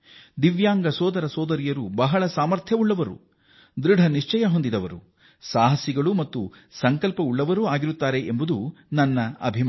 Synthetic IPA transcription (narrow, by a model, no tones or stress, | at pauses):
d̪iʋjaːŋɡɐsɔːd̪ɐɾɐsɔːd̪ɐɾijɐɾubɐɦɐɭɐsaːmɐɾt̪ʰjɐuɭːɐʋɐɾṵ | d̪ɾiɖʱɐniʂt͡ʃɐjɐɦo̞nd̪id̪ɐʋɐɾṵ | saːɦɐsjiɡɐɭumɐt̪ːu | sɐŋkɐlpɐuɭːɐʋɐɾuaːɡiɾut̪ːaːɾe̞ʔembud̪unɐnːɐɐ̰bʱim